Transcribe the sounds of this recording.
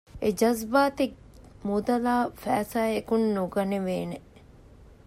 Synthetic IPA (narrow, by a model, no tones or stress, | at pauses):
ed͡ʒɐzbaːt̪ek̚ | mud̪ɐlaːfæːsaːekunːuɡɐneʋeːne